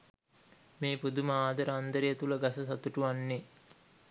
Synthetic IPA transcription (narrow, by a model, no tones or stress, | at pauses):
meːpud̪uməaːd̪ɐɾəand̪əɾejət̪uləɡasɐsat̪uʈuʋanːe